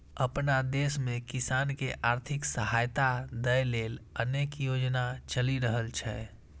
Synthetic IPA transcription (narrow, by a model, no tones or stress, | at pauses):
əpnad̪esmẽkɪsaːnkeʔaːɾt̪ʰɪksəɦaːjt̪ad̪əjleːləneːkjod͡ʒnat͡ʃəliɾəɦəlt͡ʃʰɛ